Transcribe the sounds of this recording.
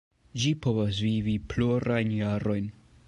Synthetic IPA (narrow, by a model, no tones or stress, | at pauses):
d͡ʒipo̞vas̬vivipluɾajnjaɾo̞jn